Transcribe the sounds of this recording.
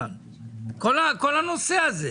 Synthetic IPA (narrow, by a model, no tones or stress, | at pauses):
n | kʰɔlakɔlanusɛazɛ